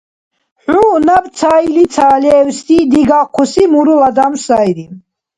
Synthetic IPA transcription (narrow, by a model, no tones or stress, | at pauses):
ħunabt̪sʰailit̪t͡sʰaːlɛːwst̪ʰid̪iɡaqʰusimuɾulad̪amsajɾi